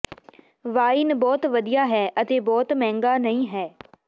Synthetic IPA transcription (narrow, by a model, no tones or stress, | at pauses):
ʋaːɪnbɔːt̪ʋəd̪ijaːɦɛːʔət̪eːbɔːt̪mɛ̃ːŋɡaːnəĩːɦɛː